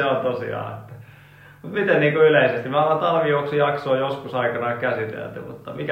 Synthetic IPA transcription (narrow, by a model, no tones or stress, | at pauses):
eont̪osḭɑ̰ːḛt̪ːæ̥ | mut̪mit̪enniːŋkoyleisest̪imɑlɑt̪ɑlʋijuoksujɑksoːjoskusɑikɑnɑːkæsit̪ḛlt̪y̰mṵt̪ːɑmikæ